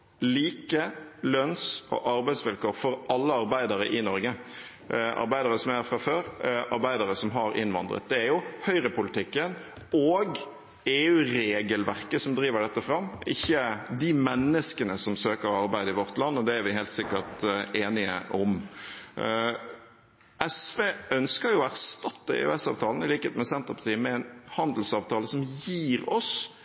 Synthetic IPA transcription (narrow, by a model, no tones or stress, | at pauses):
liːkəlœnsɔ̰ʔɑɾbæɪd̪sʋɪlkoːɾfɔɾʔɑlːəɑɾbæɪd̪əɾəʔɪnɔɾɡə | ʔɑ̰ɾbæɪd̪əɾəsɔmæɾfɾɑføːɾʔɑɾbæɪd̪əɾəsɔmɦɑɾɪ̰nʋɑ̰nd̪ɾə̰t̪̚d̪ɛæɾjʊhœʏɾəpʊlɪt̪ʰɪkːən | oːɡ | eːʉːɾeːɡəlʋæʁkəsɔmd̪ɾiːʋəɖɛt̪ːəfɾɑmːɪçːəd̪ɪmɛnːəskənəsɔmsøːkəɾɑɾbæɪd̪əɪʋɔɾt̪lɑnːɔd̪ɛæɾʋɪɦeːlt̪sɪkːəʁt̪eːnɪə̰ʔɔm | ʔɛsʋeːʔœnskəɾjʊæɾst̪ɑt̪ːəḛːʉ̰ɛsɑ̰ːʋt̪ʰɑːln̩ɪliːkəheːt̪mɛsɛnt̪ʁəpʰɑʁt̪ʰiːəmɛɛnhɑnd̪l̩sɑːʋt̪ʰɑːləsɔmjiːɾɔs